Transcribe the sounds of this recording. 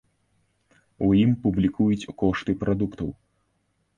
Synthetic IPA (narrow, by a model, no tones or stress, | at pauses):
ujimpublʲikujut͡sʲukɔʂt̪ɨpɾʔad̪ukt̪ɐw